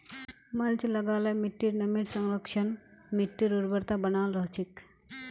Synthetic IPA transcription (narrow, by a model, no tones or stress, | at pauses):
məlt͡ʃiləɡalajmiʈːiɾnəmiʈsəŋɾəkʃənmiʈːiɾuɾbəɾt̪abənalɾəɦt͡ʃʰik